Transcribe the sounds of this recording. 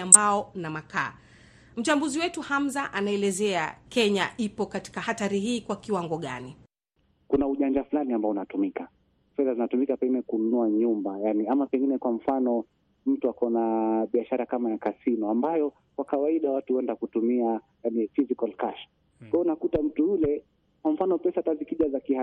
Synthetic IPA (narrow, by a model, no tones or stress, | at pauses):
ambaɔnamaka̰ː | m̩t͡ʃambuziwɛtuhamzaʔanaɛlɛzɛakɛɲaʔipɔkati̥kahataɾiɦiːkwakiwaŋɡɔɠani | kunauʄaɲd͡ʒafulaniambaɔunatumika | fɛðazinatumikapɛŋɡinɛkununuaɲumbajaniamapɛŋɡinɛkwam̩fanɔ | m̩tuakɔnaɓiaʃaɾakamajakasinɔambajɔ | kwakawaiɗawatuhuɛndakutumia | janifizikalkaʃ | kwajɔunakutam̩tuulɛ | kwaɱ̩fanɔpɛsatazikiʄazakiha